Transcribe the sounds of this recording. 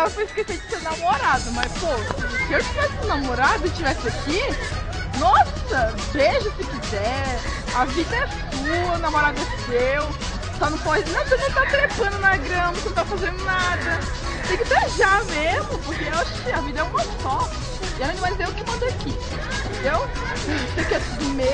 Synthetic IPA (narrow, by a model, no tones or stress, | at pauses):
ɛlɐfojɪskesejd͡ʒɪseɾnaũmoɾad̪ʊmɐsposɪewt͡ʃivɛsɪnamoɾad̪ʊɪt͡ʃivɛsɪaki | nɔsɐ | veʒɐsɪkizɛ | ɐvid̪ɐɛs | uɐnamoɾad̪ʊsew | sɔnɐ̃w̃pɔd͡ʒɪnɐ̃w̃sɔnɐ̃w̃t̪at̪ɾepɐ̃nd̪ʊnɐɡɾɐ̃mɐsɪnɐ̃t̪aɐ̃fazẽnd̪ʊnad̪ɐ | t̪ẽkɪb̪eʒamezmʊpoɾkeewaʃʊ̥kɪɐvid̪ɐɛũmɐsɔ | ɪɛlɐ̃d̪ɐ̃mazd̪eʊkɪmɐ̃d̪eaki | t̪ẽd̪ew | sɪaʒẽt͡ʃɪsekɛt̪ud̪ume